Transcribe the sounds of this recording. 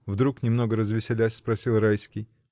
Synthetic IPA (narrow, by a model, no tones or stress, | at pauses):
vd̪ɾuknʲɪmno̞ɡəɾəzvʲɪsʲɪlʲæsʲspɾɐsʲilˠɾajsʲkʲɪj